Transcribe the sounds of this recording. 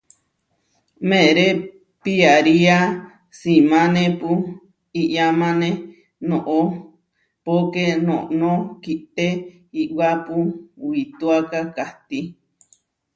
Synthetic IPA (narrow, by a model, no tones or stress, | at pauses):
mẽɾe | piaɾia | simãnẽpu | iʔjamãnẽ | nõʔo | pokenõʔnõkiʔt̪e | iʔwapuwit̪uakakaht̪i